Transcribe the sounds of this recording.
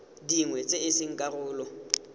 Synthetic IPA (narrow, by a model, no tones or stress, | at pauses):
diŋwɛt͡sʼeɪsɪŋ̩kʼarʊːlɔ